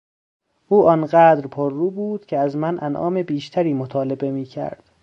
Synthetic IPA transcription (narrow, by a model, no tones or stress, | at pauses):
ʔuːʔɒnɢæːd̪ɾpʰoɾːuːbuːd̪̥cʰeæzmænʔænʔɒ̰ːme̞biːʃt̪ʰæɾiːmot̪ʰɒːle̞be̞miːcʰæ̰ɾd̪̥